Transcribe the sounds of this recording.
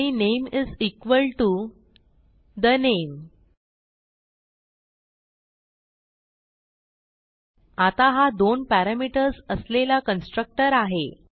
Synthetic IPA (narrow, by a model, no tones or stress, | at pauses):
inemizikʋəlʈu | d̪ənem | at̪aɦad̪onpæɾamiʈəɾsəslelakənsʈɾək̚ʈəɾaɦe